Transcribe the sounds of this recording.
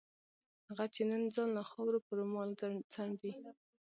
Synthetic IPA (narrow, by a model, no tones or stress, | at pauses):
haɣat͡ʃenənd͡zɑnlaxɑwɾopəɾomɑlt͡saɳd̪i